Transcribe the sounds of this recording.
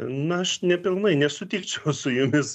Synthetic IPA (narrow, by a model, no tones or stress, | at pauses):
nʊɐʃnʲɛpʲɪlˠnɐɪnʲɛsʊt̪ʲiːkt͡ʃʲɛʊsʊjʊmʲɪs